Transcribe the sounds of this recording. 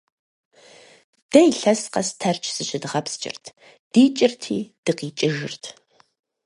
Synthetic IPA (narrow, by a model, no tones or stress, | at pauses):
d̥ɐjɬɐsqɐstʰɐrt͡ʃʰsɨɕɪdɨʁɐpst͡ʃʼɪ̰rtʰ | d̥iːt͡ʃʼɪrtʰḭːd̥ɨqiːt͡ʃʼɪʒɨ̰rtʰ